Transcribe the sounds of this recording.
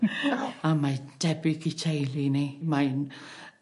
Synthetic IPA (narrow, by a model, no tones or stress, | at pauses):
amad̥ɛbɪɡitʰejlˠinimajn